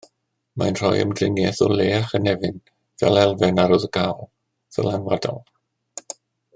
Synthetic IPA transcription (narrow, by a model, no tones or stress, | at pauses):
manr̥ɔjə̰mdrɪŋjɛθɔleːaχənɛvɨn | vɛ̰lɛlˠvɛnaɾɔðəɡawlˠ | ðə̰lɛnwadɔ̰lˠ